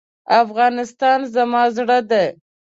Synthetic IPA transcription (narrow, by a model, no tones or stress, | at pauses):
afɣɑnɪst̪ɑnzamɑzɽəd̪e